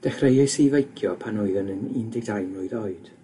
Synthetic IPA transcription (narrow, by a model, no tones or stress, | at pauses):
d̥ɛχrejɨsivejkʰjɔpʰanʊɨðənənɪndɪɡ̚dajnʊɨðɔɨd̥